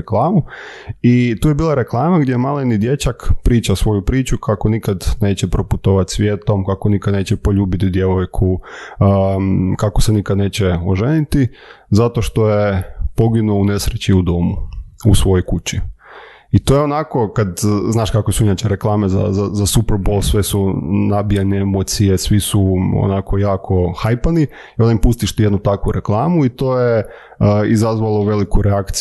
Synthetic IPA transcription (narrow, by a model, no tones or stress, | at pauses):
eklˠaːmuit̪uːjebiːlˠaɾe̞klˠaːmaɡd̪jemalenid̪je̞t͡ɕakpɾiːt͡ʃasʋo̞jupɾiːt͡ʃukʰako̞nikad̪ne̞ːt͡ɕepɾoput̪o̞ʋat̪ʲsʋjet̪o̞mkakonikad̪ne̞ːt͡ɕepo̞ʎuːbit̪id̪je̞ʋojkʰu | kako̞senikad̪ne̞ːt͡ɕeoʒenit̪i | zat̪o̞ʃt̪o̞je̞po̞ɡinuoune̞sɾet͡ɕiud̪o̞muusʋo̞jojkut͡ɕi | it̪ojeonako̞kad̪znaːʃkakʋesuinaːt͡ɕeɾeklˠaːme̞za̰zazasupeɾbo̞lˠsʋe̞sunabijaneemot̪sije̞sʋisuo̰nakʰo̞jaːkʰo̞xajpani | iond̪impust̪iʃt̪ijed̪nut̪akʋuɾe̞klˠaːmuit̪o̞ːje | izazʋalˠoʋe̞likuɾeakt̪s